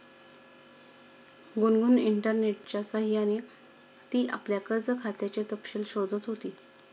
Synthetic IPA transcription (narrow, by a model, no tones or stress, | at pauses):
ɡunɡuniɳʈəɾneʈ̚t͡ɕjasaɦiañi | t̪iːʔa̰pljakəɾd͡zəkʰat̪jat͡ɕet̪əpɕelɕod̪ʱət̪ɦot̪iː